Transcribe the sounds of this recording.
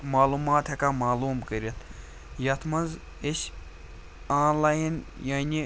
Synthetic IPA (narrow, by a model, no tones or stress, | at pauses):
maːluːmaːt̪hɐkamaːluːmkəɾʲɐt̪ʰ | jɐt̪ʰmɐnz | eʃ | ãːnlaːjinjanʲi